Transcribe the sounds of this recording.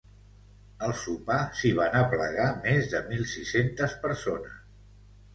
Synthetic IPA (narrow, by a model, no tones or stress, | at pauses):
əlˠsupasiβ̞anəplə̰ɣ̞amezðəmilˠsisent̪əspəɾsonəs